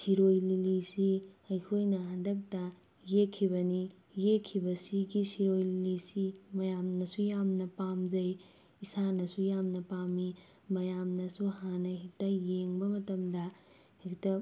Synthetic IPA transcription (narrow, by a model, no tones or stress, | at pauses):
siɾojlilisiɐjkʰojnɐɦandɐk̚tɐ | jekʰːibɐni | jekʰːibɐsiɡisiɾojlilisimɐjamnɐsujamnɐpamd͡ʒɐj | isanɐsujamnɐpami | mɐjamnɐsuhanɐɦik̚tɐjeŋbɐmɐtɐmdɐ | hiktɐ